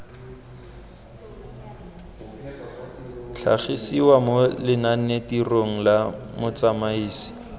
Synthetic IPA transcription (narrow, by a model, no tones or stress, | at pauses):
t͡ɬʰa̰χisiwamʊlɪnanetiroŋ̩lamʊt͡samaiːsi̥